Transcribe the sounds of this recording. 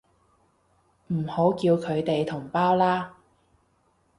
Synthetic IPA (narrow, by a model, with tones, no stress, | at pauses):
m̩˨˩ho˨˥wkiː˧wkʰɵ˨˧ɥt̪e˨jt̪ʰʊ˨˩ŋpaː˥wlaː˥